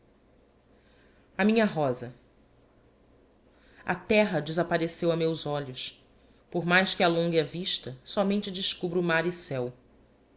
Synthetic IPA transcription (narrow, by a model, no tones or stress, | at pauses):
ɐmĩɲɐɦɔzɐ | ɐ̰t̪ɛɦɐd͡ʒɪzapaɾesewɐmewzɔʎʊs | poɾmajʃkɪalõŋɡɐviʃt̪ɐsɔmẽnt͡ʃɪd͡ʒɪʃkubɾʊumaɾɪsɛw